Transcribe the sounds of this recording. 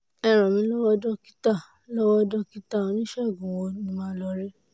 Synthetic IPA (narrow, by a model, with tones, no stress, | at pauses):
ɛ˧ɾ̃ɔ̃˨mĩ˧˦lɔ˦wɔ˦dɔ˦ki˦ta˦˨ | lɔ˦wɔ˦dɔ˦ki˦ta˦˨o˨˧˦nĩ˦ʃɛ˦˨ɡũ˨wo˧˦nĩ˧˦mãː˦lɔ˧ɾɛ˦